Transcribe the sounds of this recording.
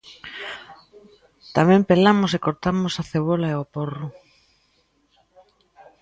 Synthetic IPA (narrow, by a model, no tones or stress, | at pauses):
t̪amɛ̃mpelamʊsekoɾt̪amʊsaθeβ̞olaeoporʊ